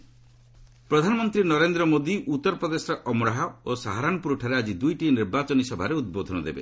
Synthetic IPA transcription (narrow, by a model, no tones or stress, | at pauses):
pɾɔd̪ʱanɔmɔnt̪ɾinɔɾend̪ɾɔmod̪iʔut̪ːɔɾɔpɔd̪esɔʔɔmɾaɦaosaɦaɾanɔpuɾuʈʰaɾead͡ʒid̪ujʈiniɾbat͡ʃɔnisɔbʱaɾeud̪̚bod̪ʱɔnɔd̪ḛbḛ